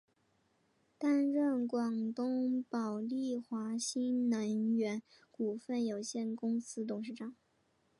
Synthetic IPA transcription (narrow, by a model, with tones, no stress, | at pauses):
t̪a˥˧nɻə˥˩nkwɑ˨˩ŋt̪ʊ˥ŋpɑ˨˩ʊli˥˩xwa˧˥ɕi˥nnə˧˥nɥɛ˧˥n | ku˨˩fə˥˩njo˨˩ʊɕjɛ˥˩nkʊ˥ŋsɹ̩˥t̪ʊ˨˩ŋʂɻ̩˥˩ʈ͡ʂɑ˨˩˦ŋ